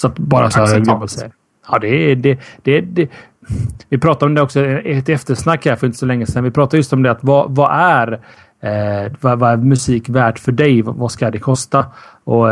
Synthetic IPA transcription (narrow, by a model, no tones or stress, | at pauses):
sɔat̪bɑːɾasɔɡblsɛ̰ | ɑːd̪ɛd̪ɛd̪̥ɛd̪ɛ | vɪpʰɾɑːt̪aɾɔmd̪ɛɔksɔɛɛt̪ːɛft̪əɾʂnakːæːɾfɔɾɪnt̪ə̥sɔlɛŋːəsɛnːvɪpʰɾɑːt̪aɾjɵst̪ɔmd̪ɛat̪vɑvaʔæɾ | vavaæɾmɵsiːkvæːʈfœɖɛjvvaskad̪ɛkʰɔst̪aɔ